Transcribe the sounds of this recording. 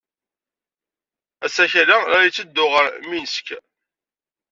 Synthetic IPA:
æsæçɾaaɾjt͡sːəd̪ːʊʁəɾminəsk

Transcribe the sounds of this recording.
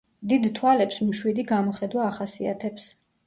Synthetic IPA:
d̪id̪t̪ʰwalɛpsmʃwid̪iɡamɔχɛd̪waːχasia̰t̪ʰɛps

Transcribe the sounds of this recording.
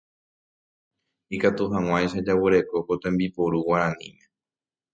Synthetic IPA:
ikat̪uɦãw̃ãjʃad͡ʒawɨɾe̞ko̞kot̪ẽmbipoɾuwaɾãnḭ̃mẽ̞

